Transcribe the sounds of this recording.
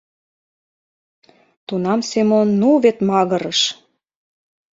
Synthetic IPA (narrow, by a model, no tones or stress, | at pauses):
t̪unɑmsemonːuβet̪mɑɣə̆ɾəʃ